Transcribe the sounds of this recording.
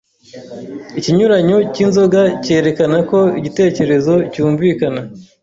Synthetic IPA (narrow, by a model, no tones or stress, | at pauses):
iciɲuɾaɲocinzo̞ɡace̞ːɾe̞kanako̞iɟite̞ːce̞ɾe̞zo̞cuːɱvikana